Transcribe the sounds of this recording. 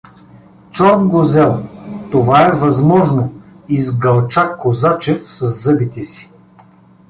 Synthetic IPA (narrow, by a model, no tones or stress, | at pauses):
t͡ʃɔɾnɡozɛlˠt̪ovaɛvɐzmɔʒno | izɡɐlˠt͡ʃakːozat͡ʃɛfsɐzːɤbit̪ɛsi̥